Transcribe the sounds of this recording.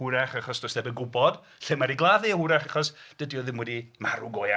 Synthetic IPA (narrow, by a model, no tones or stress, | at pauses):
ʊɾaχaχɔsd̥ɔsdɛbəɡʊbɔd̥ | ɬɪmaɾiɡlˠaðɪəhʊɾaχaχɔsd̥ədiɔðɪmwɛdimaɾʊɡɔja